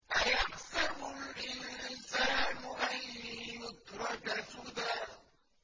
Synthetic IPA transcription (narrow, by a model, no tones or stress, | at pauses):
ʔajaqsaɾʊlʔɪnsaːnʊʔanjʊt̪ɾˤɑd͡ʒasud̪a